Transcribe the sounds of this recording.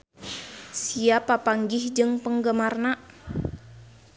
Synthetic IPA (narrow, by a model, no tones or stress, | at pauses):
siapapaŋɡɪhd͡ʒɨŋpəŋɡəmarna